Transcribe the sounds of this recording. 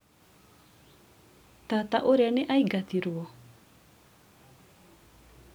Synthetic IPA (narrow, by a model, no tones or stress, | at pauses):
t̪at̪aʔoɾeaneʔaiɡat̪iɾwɔ